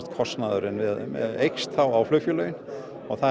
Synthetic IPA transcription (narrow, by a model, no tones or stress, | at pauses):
t̪kʰɔst̪naðʏɾɪnvɪðmɛ̰ðejkst̪ʰawawflœfjʏlœːɥjʏn | ɔɣθa